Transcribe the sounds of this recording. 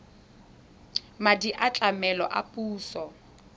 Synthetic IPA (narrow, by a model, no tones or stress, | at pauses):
madiʔat͡ɬʼamɛlɔʔa̰pʼuːsɔ